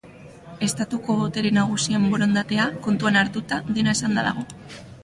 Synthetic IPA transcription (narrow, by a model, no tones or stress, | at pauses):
e̞st̪at̪uko̞βot̪e̞ɾenaɣ̞usiemboɾo̞nd̪at̪e̞ako̞nt̪uanaɾt̪ut̪aðe̞nae̞sand̪aða̰ɣo̞